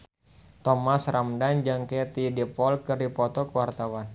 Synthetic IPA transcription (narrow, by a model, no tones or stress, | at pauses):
t̪ɔmasramdand͡ʒaŋkɛt̪idipɔlkɨrdipɔt̪ɔkəwart̪awan